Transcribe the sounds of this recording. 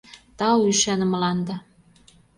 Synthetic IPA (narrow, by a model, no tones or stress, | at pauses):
t̪ɑwyʃænə̆mlɑnd̪ɑ